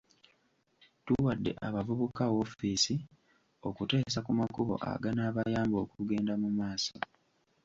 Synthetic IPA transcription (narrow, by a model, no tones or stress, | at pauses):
tuwadːe̞̰ʔaβavuβukawo̞fisi | o̞kute̞ːsakumakuβo̞̰ʔa̰ɡanaːβajaːmbo̞ːkuɡe̞ːndamumaːso